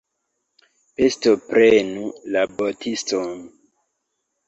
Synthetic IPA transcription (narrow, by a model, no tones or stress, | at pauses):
pestopɾenulabotʰiston